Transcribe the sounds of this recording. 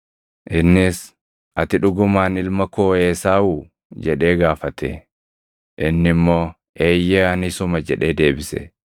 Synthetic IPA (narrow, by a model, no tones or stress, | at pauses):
ʔɪnːɪs | ɐt̪ɪᶑʊɡʊmaːnɪlmɐkoːeːsaːuː | d͡ʒɛᶑe̞ːɡaːfɐt̪ʰḛ | ʔɪnːɪmːo̞ː | e̞ːjːeɐnɪsʊmɐd͡ʒɛᶑe̞ːd̪e̞ːbɪsɛ̰